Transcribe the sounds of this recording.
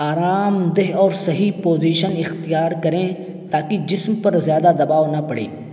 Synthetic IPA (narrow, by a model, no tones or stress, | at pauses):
aːɾaːmd̪eɦɔːɾsɐɦipoːziːʃənɪxt̪ijaːɾkɐɾẽ | t̪aːkid͡ʒɪsmpɐɾzjaːd̪ad̪ɐbaːʋnɐpɐɽḛː